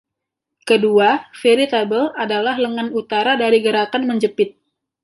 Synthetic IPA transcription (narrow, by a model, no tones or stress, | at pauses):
kəduafeɾit̪abəladalahləŋanut̪aɾadaɾiɡəɾakanməɲd͡ʒəpɪt̪̚